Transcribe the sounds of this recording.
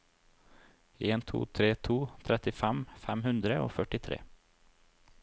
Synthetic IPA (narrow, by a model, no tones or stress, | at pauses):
eːnt̪ʰṵːt̪ʰɾeːt̪ʰuːt̪ʰɾɛt̪ɪfæmfæmhʉnd̪ɾəʔo̰ːfœʈɪt̪ʰɾḛː